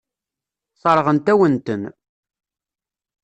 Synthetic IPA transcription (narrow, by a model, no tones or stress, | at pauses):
sˤɑɾˤʁənt̪æwənt̪ən